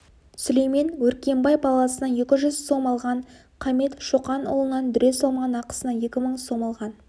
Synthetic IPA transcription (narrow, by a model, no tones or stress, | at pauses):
sʊlejme̞nwɵɾkʲe̞mbɑjpʰɑlˠɑsənɑnje̞kʲɪʒʏzso̞mɑlˠʁɑɴ | qʰɑme̞t̪ʃuqɑno̰lˠənɑnd̪ʏɾe̞solˠmʁɑnɑqə̥sənɑe̞kʲɪməɴso̞mɑlˠʁɑn